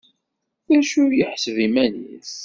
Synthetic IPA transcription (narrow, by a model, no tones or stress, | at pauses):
θæʃʊjəħsðimænḭs